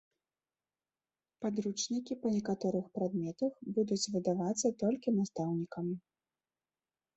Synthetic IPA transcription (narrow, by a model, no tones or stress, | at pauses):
pad̪ɾut͡ʂnʲikʲipɐnʲɛkat̪ɔɾɨxpɾad̪mʲɛt̪ɐxbud̪ut͡sʲvɨd̪avat̪sːɐt̪ɔlʲkʲinast̪awnʲikɐmʲi